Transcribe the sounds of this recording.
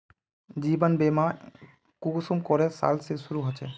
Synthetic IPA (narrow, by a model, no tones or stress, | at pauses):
d͡ʑibanbema | kusumkɔɾesa̰lsesuɾuɦot͡ɕʰe